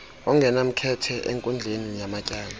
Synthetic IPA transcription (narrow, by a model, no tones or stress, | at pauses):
ɔŋɡʱɛnam̩kʰɛtʰɛʔeŋkʼund͡ɮʱenijamacʼaːla